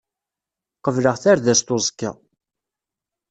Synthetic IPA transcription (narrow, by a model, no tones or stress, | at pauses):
qəvləʁθaɾðæst̪ozˤkːa̰